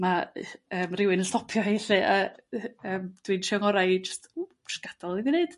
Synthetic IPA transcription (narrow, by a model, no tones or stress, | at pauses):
maəːmrɪwɨnəɬtɔpʰjɔeɬɨʔa | əːmd̥winʃɔŋɔɾajd͡ʒəstʰu̥ | sɡ̥ad̥ɔlˠivineɨd̥